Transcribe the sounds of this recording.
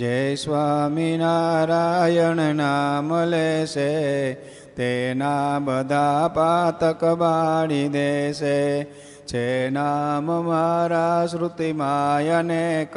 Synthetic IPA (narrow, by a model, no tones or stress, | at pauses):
d͡ʒesʋaminaɾajəɳnaməleʃe | t̪enabəd̪ʱapat̪əkbaɽid̪eʃe | t͡ʃenaməmaɾasɾut̪imajənek